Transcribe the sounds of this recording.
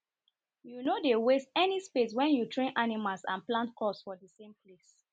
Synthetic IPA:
junodewestɛnispes̬wɛ̃njutʰɹẽnʔanimalsã̰nplãntkɔsfɔdisẽmples

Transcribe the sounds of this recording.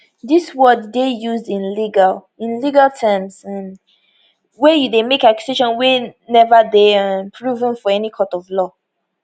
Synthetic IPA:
diswɜdːejuzdĩnliɡal | ĩnliɡalˠtʰɛmsãn | wɛjudemekakju̥seʃɔ̃nwɛnɛvədẽmpʰɹuvə̃nfɔɛnikʰɔtɔvlɔ

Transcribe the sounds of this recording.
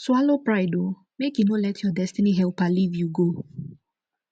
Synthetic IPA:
swalopɹaɪdo | mekjunolɛtʰjɔdɛstiniɦɛlpalivjuɡo

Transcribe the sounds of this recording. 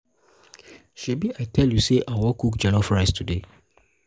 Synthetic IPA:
ʃebiʔaɪtʰɛljuseʔawɔkukd͡ʒɛ̃nɔfɹaɪstʰude

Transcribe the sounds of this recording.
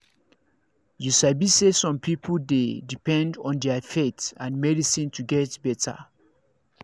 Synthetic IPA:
jusabisesɔ̃mpʰipʰldedipɛ̃ndɔ̃ndɛafetãnmɛdisĩntʰuɡɛtbɛtə̰

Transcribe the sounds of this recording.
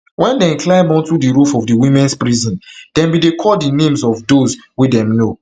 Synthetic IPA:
wɛ̃ndɛ̃klãɪ̃mɔ̃ntudiɹufɔvdiwĩmɛ̃nspɹizɔ̃nd̥ɛ̃mbidekʰɔdinẽmzɔvdozwidɛ̃mno

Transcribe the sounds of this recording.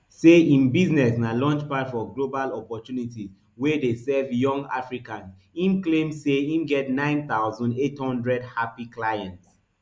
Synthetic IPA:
seĩnbiznɛsnalɔ̃nt͡ʃpatfɔɡlobalɔpɔtjunitiz | wedesɛvjɔ̃ŋa̰fɹikãns | ĩmklẽmseĩmɡɛtnãɪ̃nθaʊzɔ̃ndethɔ̃ndɹɛdhapiklajɛ̃nts

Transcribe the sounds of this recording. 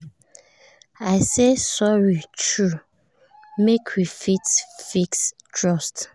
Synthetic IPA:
aɪsesɔɹitʰɹu | mekʰwifitfikstʰɹɔst

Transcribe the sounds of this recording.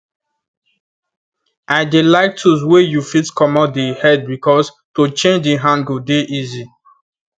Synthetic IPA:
aɪdelaɪk̚tʰuswejufitkʰɔmɔdehɛd̚bikɔs | tot͡ʃẽnd͡ʒdeɦãnɡodeʔizi

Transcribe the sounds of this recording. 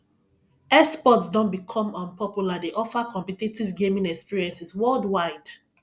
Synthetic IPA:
ɛspɔtsdɔ̃nbikʰɔ̃mɔ̃npɔpjuladeʔɔfakɔ̃mpititivɡẽmĩnɛkspiɹiɛ̃nsiswɔldwaɪd̥

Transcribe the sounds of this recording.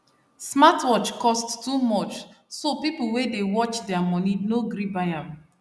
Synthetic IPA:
smatwɔt͡ʃkɔsttumɔt͡ʃ | sopipl̩ˠwedewɔt͡ʃdɛamɔninoɡɾibajãm

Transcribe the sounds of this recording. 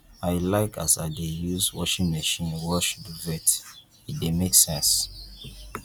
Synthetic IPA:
aɪlaɪkʰa̰saɪdejuzwɔ̰ʃĩŋməʃĩnwɔʃduvɛt | idemeksɛ̃ns

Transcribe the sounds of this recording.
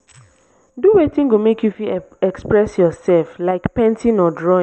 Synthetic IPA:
duwetĩnɡomekjufiɛkspɹɛsjɔsɛlflaɪkpɛ̃ntĩnɔdɹɔĩ

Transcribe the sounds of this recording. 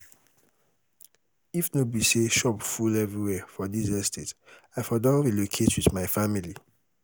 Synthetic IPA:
ifnobiseʃɔpfulɛvɹiwɛfɔdizɛstʰetaɪfɔdəwilokʰetwiðmaɪfamili

